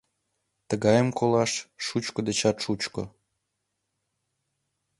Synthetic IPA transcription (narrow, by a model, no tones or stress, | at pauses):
t̪əɣɑjəmkolɑʃːut͡ɕkod̪et͡ɕɑt̪ʃut͡ɕko̰